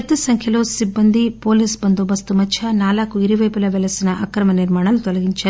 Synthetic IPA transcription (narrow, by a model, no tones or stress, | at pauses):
t̪ːisɐŋkʰjɐlusibːɐnd̪ipoːlisbɐnd̪obɐst̪umɐt͡ʃʰɐnaːlakuiɾiʋɐjpilɐʋɛlɐsinɐʔɐkɾɐmɐniɾmaːɳɐlut̪ɔlɐɡiɲt͡ʃɐ